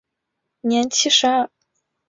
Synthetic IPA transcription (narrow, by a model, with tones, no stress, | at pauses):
njɛ˧˥nt͡ɕʰi˥ʂɻ̩˧˥a˥˩